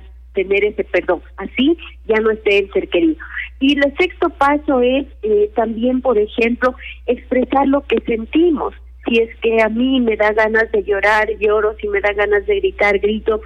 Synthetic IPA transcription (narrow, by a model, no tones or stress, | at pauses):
t̪e̞ne̞ɾe̞se̞pe̞ɾðo̞ŋasiʝano̞est̪e̞ːnse̞ɾke̞ɾiðoilese̞kst̪o̞paso̞e̞set̪ambje̞mpo̞ɾe̞xe̞mplo̞ekspɾe̞saɾlo̞ke̞se̞nt̪imo̰sːie̞ske̞amĩme̞ðaɣanazðe̞ʝo̞ɾaɾʝo̞ɾosime̞ðaɣanazðe̞ɣɾit̪aɾɡɾit̪o̞